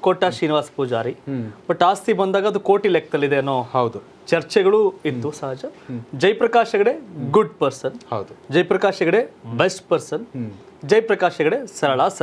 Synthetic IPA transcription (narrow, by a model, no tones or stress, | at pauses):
koːʈːaːʃiːniʋaːsɐ̥puːd͡ʒaːɾibɐʈːaːst̪ʰibɐnd̪aːɡɐd̪ukoːʈilek̚t̪ɐlːid̪eɐnːoːhɐwd̪u | t͡ʃɐɾt͡ʃɛɡɐɭuit̪ːusɐɦɐd͡ʒɐd͡ʒɐjpɾɐkaːʃɐɡɐɽeɡuɖpɐɾsɐnhɐwd̪ud͡ʒɐjpɾɐkaːʃɐɡɐɽebesʈpɐɾsɐn | d͡ʒɐjpɾɐkaːʃɐɡɐɽe̞sɐɾɐɭaːsɐ